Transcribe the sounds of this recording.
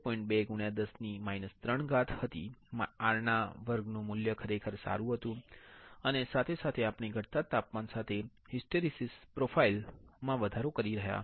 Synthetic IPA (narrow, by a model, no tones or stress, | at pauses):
pɔiɳʈ̚beɡuɽ̃jad̪əsnimainəst̪ɾəɳɡat̪ʰhət̪iaɾɳaʋəɾɡnũmʊljəkʰəɾekʰəɾsa̰ɾũɦət̪ũənesat̪ʰesat̪ʰeapɳiɡʱəɽt̪at̪apmansat̪ʰe | hisʈəɾisispɾofʰailmãʋəd̪ʱaɾokəɾiɾəɦja̰